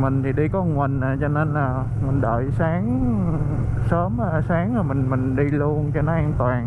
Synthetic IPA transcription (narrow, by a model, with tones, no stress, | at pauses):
mï˨˩ŋ̟t̪ʰi˨˩ɗi˧kɔ˨˦ŋwi˨˩ŋ̟ʔaː˨˩t͡ɕɔ˧ne˧nəː˨˩ | mï˨˩ŋ̟ɗəː˨˩jsaː˨˦ŋ | səː˨˦maː˨˩saː˨˦ŋaː˨˩mï˨˩ŋmï˨˩ŋ̟ɗi˧lu˧ənt͡ɕɔ˧nɔ˨˦ʔaː˧ŋt̪waː˨˩ŋ